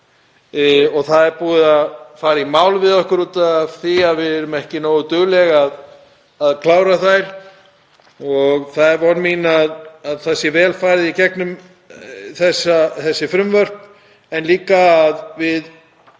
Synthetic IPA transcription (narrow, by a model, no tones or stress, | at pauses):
ɔɣθaðɛɾpuːðɪðafaːɾaimaːwlvɪðɔhkʏɾut̪aθiaðvɪðɛɾʏmɛhcɪnoːwðʏt̪ʏɣlɛɣað | aðkʰlaːwɾaθajɾ̥ | ɔɣθaðɛɾvɔɾmiːnaðaðθasjɛvɛːlfaːjɾɪðicɛknʏm | θɛsaθɛsːɪfɾʏmvœr̥p | ɛnliːkaːðvɪð